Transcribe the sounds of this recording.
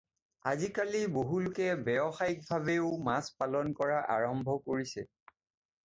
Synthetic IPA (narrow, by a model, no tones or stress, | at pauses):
a̰zikaliboɦulʊkɛbɛɔxajk̚bʱabeʊmaspalɔnkɔɹaʔa̰ɹɔmbʱɔkoɹisɛ